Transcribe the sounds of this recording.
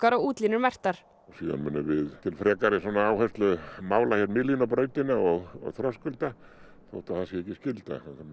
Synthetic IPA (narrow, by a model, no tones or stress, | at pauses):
kaɾɔɣuːt̪linʏɾmɛr̥t̪aɾ̥ | ɔsiːða̰nmʏnːʏvɪðt̪ʰɪlfɾɛːkaɾɪsɔnːaaːwhɛst̪lʏmaːwlaçɛt̪mɪlinapɾœːɥt̪ɪnaɔɣɔ̰ɣθɾɔskʏlt̪a | θo̰wht̪aθasjɛɛhcːɪscɪlt̪a̰θa